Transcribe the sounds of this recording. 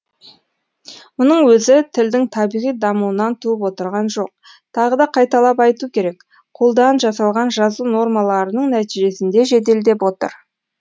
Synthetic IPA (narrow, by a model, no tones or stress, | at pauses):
mʊnəɴwɵzɪt̪ʰɪld̪ɪŋt̪ʰɑbijʁijd̪ɑmuwənɑnt̪ʰuəpwo̞t̪əɾʁɑnʒo̞q̚ | t̪ʰɑʁəd̪ɑqʰɑjt̪ɑlˠɑpɑjt̪ukʲʰe̞ɾe̞k | qʰo̞lˠd̪ɑnʒɑsɑlˠʁɑnʒɑzuno̞rmɑlˠɑɾənəɴnæt̪iʒe̞sɪnd̪e̞ʒe̞t̪e̞ld̪e̞pwo̞t̪ə̰ɾ